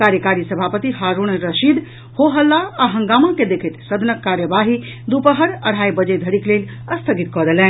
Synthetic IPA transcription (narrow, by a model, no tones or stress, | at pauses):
kaɾjəkaɾisəbʱapət̪iɦaɾuñɾəʃid̪ | hoɦəlːaaɦəŋɡamaked̪ekʰet̪səd̪ʱənəkːaɾjəbaɦi | d̪upəɦəɾəɽ̤ʱajbəd͡ʒed̪ʱəɽikleləst̪ʰəɡit̪kɔd̪elɛn